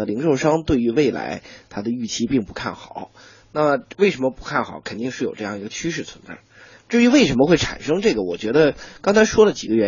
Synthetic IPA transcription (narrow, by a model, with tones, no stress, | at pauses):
ə˩li˧˥ŋʂo˥˧ʊʂɑ˥ŋt̪we˥˩ɪy˧˥we˥˩ɪla̰˧˥ɪt̪ʰa˥d̪ə˨y˥˩t͡ɕʰi˥pi˥˩ŋpu˧˥kʰa˥˩nxɑ˨˩˦ʊ | na˥˩mə˩we˥˩ɪʂə˧˥nmə˧pu̥˧˥kʰa˥˩nxɑ̰˨˩˦ʊkʰə˨˩nt̪i˥˧ŋʂɻ̩˥˩jo˨˩ʊʈ͡ʂɤ˥˧jɑ˥˩ŋi˧˥ɡə˧t͡ɕʰy˥ʂ̬ɻ̩˥˩t͡sʰwə̰˧˥nt͡sa̰˥˩ɪ | ʈ͡ʂ̩˥˩y˧˥we˥˩ɪʂə˧˥nmə˧xwe˥˩ʈ͡ʂʰa̰˨˩nʂɤ˥ŋʈ͡ʂɤ˥˩ɡə˩wɔ˨˩t͡ɕɥɛ˧˥d̪ə˧kɑ˥ŋt͡sʰa˧˥ɪʂwɔ˥lə˨t͡ɕi˨˩ɡə˦ɥɛ˧˥